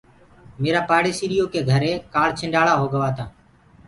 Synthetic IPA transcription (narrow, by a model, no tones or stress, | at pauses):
meːɾaːpaːɽeːsiːɾijoːkeːɡʱəɾeːkaːɽt͡ʃʰɪ̃ɳɖaːɽaːɦoːɡəʋaːt̪aː